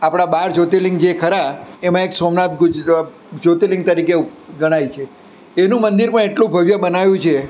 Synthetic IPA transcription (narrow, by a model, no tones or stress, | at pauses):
apɽ̃abaɾd͡ʒot̪elɪŋɡd͡ʒekʰəɾaemãeksomnat̪ɡ | d͡ʒot̪elɪ̃ŋɡ̚t̪əɾikeɡəɽ̃ait͡ʃʰeː | nũmənd̪iɾpəɳ̃eʈlũbʱəʋjəbənaʋjũt͡ʃʰe